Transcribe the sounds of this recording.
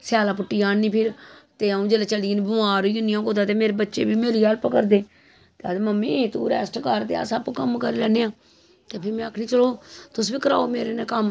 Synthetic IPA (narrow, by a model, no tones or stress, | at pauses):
sɪjaːlaːpʊʈːiːaːnːiːpʰɪɾt̪eːaũːd͡ʒeːlet͡ʃəliːnːbəmaːɾoiʊnjãːkoːd̪aːt̪eːmeːɾeːbətːʃḛːbiːmeːɾiːəlpəkəɾd̪eː | t̪eəd̪məmːẽːt̪ṵːɾɛːsʈkəɾt̪ḛa̰ːsəbkəmkəɾelɛːneːãː | t̪eːpʰɪɾmɛ̃əkʰnĩːt͡ʃəloːt̪ʊsbiːkəɾa̰ːoːmeːɾeːneːkəm